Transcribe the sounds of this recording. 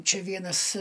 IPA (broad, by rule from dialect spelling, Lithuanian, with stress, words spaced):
ˈt͡ʃʲɛ ˈʋʲiɛnɐs